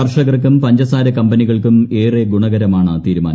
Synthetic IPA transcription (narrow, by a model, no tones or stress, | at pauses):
ɐrʂɐɣɐrk̬ːumpɐɲd͡ʑɐsaːɾɐkɐmbɐniɣɐɭkume̞ːreɡuɳɐɣɐɾɐmaːɳɨt̪iːɾumaːnɐ